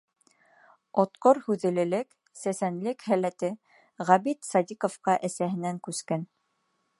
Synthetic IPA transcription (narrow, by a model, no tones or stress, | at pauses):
ot̪qoɾhʉðɘ̆lɘ̆lɘk | sæsænlɘkhælæt̪ɘ | ʁɑβit̪sɑd̪ʲikŏfqɑʔæsæɦɘ̆næŋkʉskæn